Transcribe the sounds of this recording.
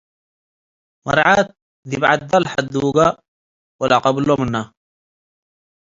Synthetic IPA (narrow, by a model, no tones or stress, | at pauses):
mɑ̰ɾˤʕat̪̚ | ðibʕat̪d̪alħad̪uːɡa | walaqɑblomənːa